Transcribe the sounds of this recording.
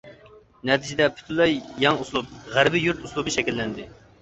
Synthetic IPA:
nɛt̪ʰɪd͡ʒɪd̪ɛpʰy̥t̪ʰylˠɛjjɑŋuslˠup̚ʁæɾbɪjuɾt̪uslˠubɨʃɛkʲilːɛnd̪ɪ

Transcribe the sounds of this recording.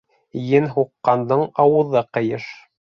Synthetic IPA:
jɘnɦuqːɑnd̪ɤɴɑwɤ̆ðɤqɤ̆jɤʃ

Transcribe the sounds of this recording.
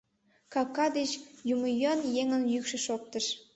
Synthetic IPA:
kɑkːɑd̪et͡ɕjuməjonjeŋə̆njykʃĕʃok̚t̪əʃ

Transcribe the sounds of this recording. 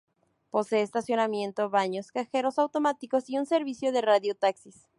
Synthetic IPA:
po̞se̞est̪asjo̞namje̞nt̪o̞βaɲo̞skaxe̞ɾo̞sawt̪o̞mat̪iko̞siunse̞ɾβisjo̞ðe̞raðjo̞t̪aksis

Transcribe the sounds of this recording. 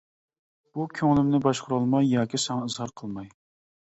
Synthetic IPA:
b̥ukʲʰøŋlɪmnɪbɑʃqʰʊɾɑlˠmɑjːɑːkʲisɛŋɑɨzhɑɾqʰəlˠmɑj

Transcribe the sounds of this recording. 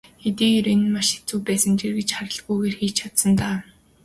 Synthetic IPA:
xet̪iːɣeːɾenɘ̆maʃe̥t͡suːpæːsə̆ŋt͡ɕerɣet͡ɕχaɾə̆ɮɣujɣeːrxiːt͡ɕt͡ɕʰat̪sə̆nt̪aː

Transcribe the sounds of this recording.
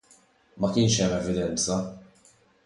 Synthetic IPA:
mɐkɪːnʃɛmɛvɪd̪ɛnt͡sɐ

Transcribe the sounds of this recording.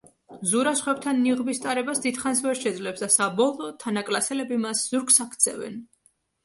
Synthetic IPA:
zuɾasχwɛb̚t̪ʰanːiʁbist̪ʼaɾɛbasd̪id̪̥χansvɛɾʃɛd̪zlɛpsd̪asabɔlˠɔːt̪ʰːanakʼlasɛlɛbimasz̥uɾksakʰt̪sʰɛ̰vɛ̰n

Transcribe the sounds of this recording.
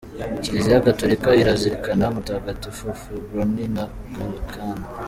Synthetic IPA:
icizijaɡatoɾikaiɾaziɾikanamutaɡatifofubɾonina | kakʰana

